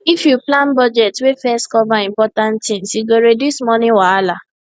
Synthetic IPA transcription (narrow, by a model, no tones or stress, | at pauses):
ifjuplãnbɔd͡ʒɛtwefɛstkɔvaĩmpɔtãnttĩmsiɡoɾedismɔnĩwaala